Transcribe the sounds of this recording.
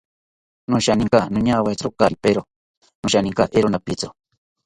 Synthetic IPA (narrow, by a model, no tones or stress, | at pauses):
nũʃaniŋkanũɲawat͡sɾokaɾipeɾo | nũʃanĩŋkaʔeɾonapit͡so